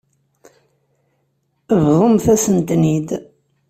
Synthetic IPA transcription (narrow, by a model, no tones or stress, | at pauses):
əvðˤomθæsənt̪nid̪